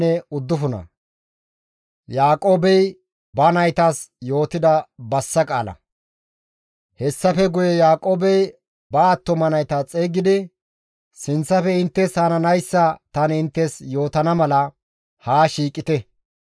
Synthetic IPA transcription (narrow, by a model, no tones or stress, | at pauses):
ɛʊd̪ːʊfʊnɐ̰ | jaːkʼo̞ːbɛj | bɐnɐjt̪asjo̞ːt̪ɪd̪ɐbɐsːɐkʼaːlɐ̰ | hɛsːɐfɛɡʊjɛjaːkʼo̞ːbɛj | bɐːt̪ːɔmɐnɐjt̪at͡sʼeːɡɪd̪ɪ | sɪnt͡sːɐfɛɪnt̪ːɛsaːnɐnɐjsːɐt̪ɐnɪnt̪ːɛsjo̞ːt̪ɐnɐmɐlɐ | haːʃiːkʼːɪt̪ɛ